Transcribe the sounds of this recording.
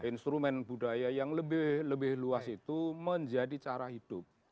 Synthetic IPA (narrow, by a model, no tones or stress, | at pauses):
ʔinst̪ɾumɛnbudajajaŋləbɪhləbɪhluasit̪uməɲd͡ʒadit͡ʃaɾahid̥ʊp̚